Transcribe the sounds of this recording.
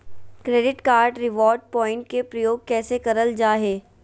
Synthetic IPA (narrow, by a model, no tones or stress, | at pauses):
kɾeːɖɪʈkaːɾɖɾɪʋɔːɾɖ̚pɔ̃ːɪ̃ɳʈ̚kepɾɐjoːɡ̚kɛːsekɐɾəld͡ʒaːɦeː